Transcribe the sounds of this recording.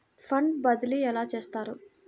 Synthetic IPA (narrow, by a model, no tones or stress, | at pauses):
pʰɐɳɖbɐd̪iliɛlaːt͡ʃe̞ːst̪aːɾu